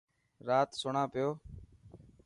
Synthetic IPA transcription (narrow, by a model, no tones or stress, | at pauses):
ɾaːt̪sʊɳaːpɪjoː